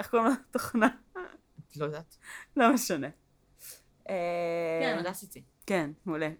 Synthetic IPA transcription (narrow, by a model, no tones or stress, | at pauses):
eχkolmot̪oχna | lod̪at̪lomeʃane | e | mad̪asit͡si | kenmule